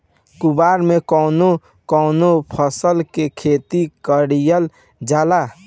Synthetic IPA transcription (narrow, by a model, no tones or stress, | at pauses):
kubaːɾmekɔːno | kɔːnopʰəsəlkekʰeːt̪ikəɽijəl | d͡ʒaːla